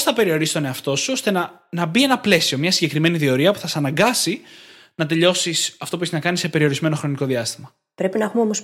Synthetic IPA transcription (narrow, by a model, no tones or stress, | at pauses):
sθɐpe̞ɾio̞ɾisst̪o̞ne̞ɐft̪o̞suost̪e̞nɐ | nɐbie̞nɐple̞sio̞mɲɐsiɟe̞kɾime̞niðio̞ɾiɐpu̥θɐsɐnɐŋɡɐsi | nɐt̪̬e̞ʎo̞sisɐft̪o̞pueçiznɐkɐnisepe̞ɾio̞ɾizme̞no̞xɾo̞niko̞ðiɐst̪imɐ | pɾe̞pinɐexumeomos